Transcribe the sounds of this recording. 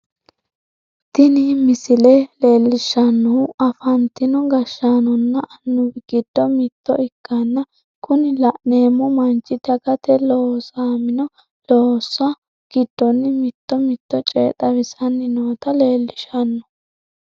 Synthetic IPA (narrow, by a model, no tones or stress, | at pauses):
t̪ɪnimɪsɪlele̞ːlːɪʃɐnːɔʊʔɐfɐnt̪ɪnɔɡɐʃːaːnɔnːɐʔɐnːʊbɪɡ̥ɪd̪̥ːɔmɪt̪ːɔɪkːɐnːɐ | kʊnɪlɐʔne̞ːmːɔmɐnt͡ʃʼːɪd̪ɐɡɐt̪ɛlɔsaːmɪnɔ | lɔːsɐ | ɡ̥ɪd̪̥ːɔnːɪmɪt̪ːɔmɪt̪ːɔt͡ʃʼeːt̪ʼɐβɪsɐnːɪnoːt̪ɐleːlːɪʃɐnːɔ̥